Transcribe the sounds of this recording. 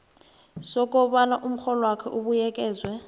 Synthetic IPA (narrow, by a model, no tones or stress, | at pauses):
sɔkʼɔɓanaʔum̩xɔlɔwakʰɛʔuɓujɛkʼɛːzwɛ